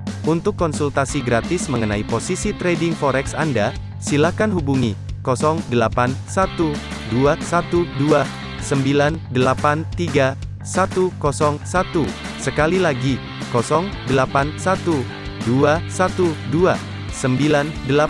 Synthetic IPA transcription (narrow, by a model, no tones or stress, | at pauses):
unt̪ʊkːɔnsult̪asiɡɾat̪ɪsməŋənaiposisit̪ɾedɪŋfɔɾɛksanda | silahkanɦubuŋikɔsɔŋdəlapansat̪u | duasat̪udua | səmbilandəlapant̪iɡa | sat̪ukɔsɔŋsat̪u | səkalilaɡi | kɔsɔŋdəlapansat̪u | duasat̪udua | səmbilandəla